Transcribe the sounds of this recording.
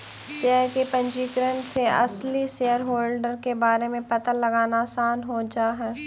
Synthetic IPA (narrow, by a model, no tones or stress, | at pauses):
seːəɾkepə̃nd͡ʒiːkɾə̃ɳʈseɐ̰sliseːjəɾɦoːlɖəɾkebaːɾemẽpɐt̪əlɐɡaːnasaːnɦod͡ʒaːɦɛː